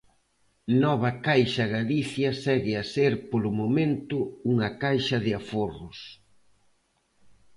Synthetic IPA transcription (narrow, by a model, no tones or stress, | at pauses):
nɔβ̞ɐkajʃɐɣaliθjɐsɛɣɪaseɾpolʊmomẽnt̪ʊuŋɐkajʃɐðɪaforʊs